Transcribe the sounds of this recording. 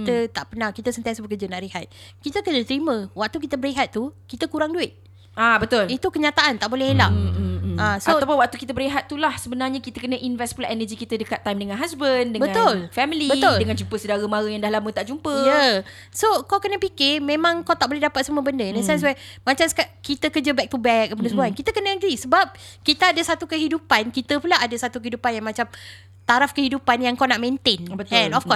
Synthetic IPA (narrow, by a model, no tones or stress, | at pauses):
kit̪ət̪aʔpənakit̪əsənt̪iansəbəkəd͡ʒənaʔɾihat̪̚kit̪əkərd͡ʒət̪əɾimə̃wak̚t̪ukit̪əbəɾiɦat̪̚ːukit̪əkuɾaŋduɪt̪̚ | abət̪ʊlit̪ukəɲat̪aʔant̪aʔbolɛhla | asaoawpʊnwak̚t̪ukit̪əbəɾiɦat̪̚ːulahsəbənarɲakit̪əkənə̃ʔinvɛstplaʔenəd͡ʒikit̪ədəkat̪ːajmdəŋanɦasbəndəbəŋãt̪ʊlfɛmilibəoldəŋãnd͡ʒumpəsədaɾəmaɾəjaŋdahlamə̃t̪aʔd͡ʒumpəjə | sokawkənəpikɪmẽmãŋkawt̪aʔ̚bolɛhdapat̪̚səmuəbəndəĩndəsɛ̃ns̬wɛmãt͡ʃamskakit̪əkəd͡ʒəbɛk̚t̪ubɛk̚kəpədəsəbuankit̪əkənəəɡɾisəbap̚kit̪əadəsat̪ukəɦidupankit̪əpulaadəsat̪ukəɦidupanjaŋmãt͡ʃam | t̪aɾafkəhidupanjaŋkawnaʔmẽnt̪enbət̪ɛ̃nɔfkɔ